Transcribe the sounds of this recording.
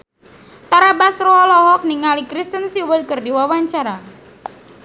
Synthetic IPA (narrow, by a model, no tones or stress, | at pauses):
t̪aɾabasroɔlɔɦɔk̚niŋalikɾist̪ənsiwəd̚kɨrdiwawaɲt͡ʃaɾa